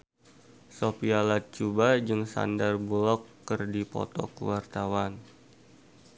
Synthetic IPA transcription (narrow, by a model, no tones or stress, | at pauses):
sopialat̪̚t͡ʃubad͡ʒɨŋsa̰ndarbulɔkːɨrdipɔ̰t̪ɔ̰kə̰wart̪awan